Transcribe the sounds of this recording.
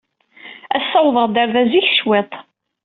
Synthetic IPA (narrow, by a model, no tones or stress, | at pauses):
æsːɑwðˤəʁd̪əɾðæziç̥ʃwet̪ˤ